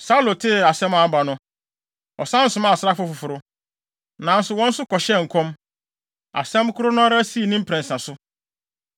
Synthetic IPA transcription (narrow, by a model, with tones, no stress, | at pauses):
sa˦u˦lo˨tʰɪ˦˨a˨sɛ̃˦mã˦ba˨nʊ̃˦ | ɔ̰˨sã˦n̩˦sʊ̃˨˦mã˦˨sa˦fʊ˦fʊ˨fʊ˨ɾʊ˦ | nã˨n̩˦sʊ˨wɔ̃˦n̩˦sʊ˦kɔ˨ɕɛ˦ŋ̩˨kʰɔ̃˦m | a̰˨sɛ̃˦mkʰʊ˦ɾʊ˦nʊ̃˦ɾa˦si˦i˨nĩ˦m̩˦pʰɾɛ̃˨nsã˨sʊ˦